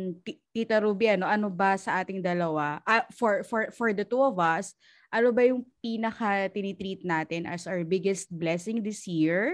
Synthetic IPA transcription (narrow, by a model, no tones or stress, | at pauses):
t̪t̪it̪ɐɾubjɐnoʔɐnobɐsɐʔaːt̪ɪŋd̪ɐlɐwaʔɐfɔɹfɔɹfɔɹd̪ɐt̪uɔvɐs | ʔɐnobɐjʊŋpiːnɐkɐt̪ɪnit̪ɾiːt̪̚naːt̪ɪnʔɐ̰sawɛɹbɪɡɛst̪̚blɛsɪŋd̪ɪsjiɹ